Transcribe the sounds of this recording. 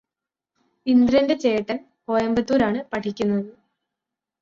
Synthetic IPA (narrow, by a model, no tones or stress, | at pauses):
ind̪rɐnde̞t͡ɕe̞ːʈːɐn | po̞ːjɐmbɐt̪ːuːɾaːɳɨpɐʈʰikʲːunːɐðɨ